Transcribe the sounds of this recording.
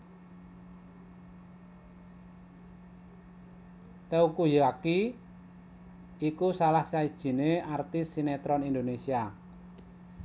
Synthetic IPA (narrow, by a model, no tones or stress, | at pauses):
t̪eukujaki | ikusalahsaid̥ʒ̥i̤neart̪ɪsːinɛt̪ɾɔnind̪onesia